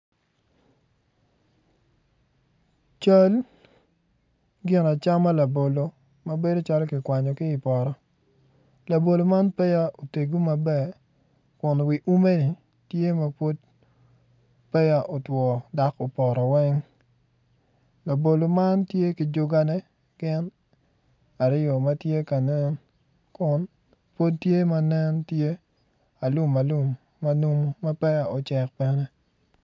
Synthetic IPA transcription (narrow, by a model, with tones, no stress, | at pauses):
t͡ʃa˦l | ɡɪ˨na˨t͡ʃa˦ma˦la˨bo˨lo˨ | ma˨be˦do˦t͡ʃa˦lɔ˦kɪ˨kwa˨ɲɔ˨kɪ˦ɪ˨pɔ˨ɾɔ˨ | la˨bo˨lo˨ma˦npɛ˦ja˦ʔo˨te˨ɡo˦ma˨bɛ˦ | kʊ˨n˨wi˨ʔu˦me˦ni˨ | tje˦ma˦po˦t̚ | pɛ˦ja˨ʔo˨twɔ˨da˨˦ko˨pɔ˨ɾɔ˨wɛ˦ŋ | lo˨bo˨lo˨ma˦ntje˦ki˨d͡ʒʊ˦ɡa˦nɛ˦ | ɡɪ˦n | a˨ɾɪ˦jɔ˨ma˦tje˦ka˨nɛ˦n | kʊ˨n | po˦ttje˦ma˦nɛ˦ntje˦ | a˨lu˦ma˨lu˦mː | a˦nu˦mo˦ma˦pɛ˦a˨o˨t͡ʃɛ˨k̚pɛ˦nɛ˦